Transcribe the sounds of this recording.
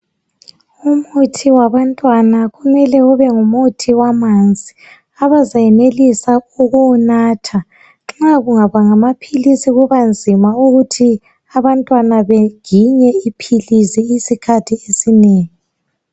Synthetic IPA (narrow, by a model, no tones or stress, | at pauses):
umutʰiwaβantʼwanaɣumɛlɛuβɛŋumutʰiwamand͡zʱi | aβazajɛnelisauɣunaːtʰa | ŋ͡ǁaɣuŋaβaŋamapʰilisiɣuβand͡zʱimauɣutʰi | aβantʼwanaβeɡ̥ʱiɲɛipʰilisiisikʰatʰiesineːŋi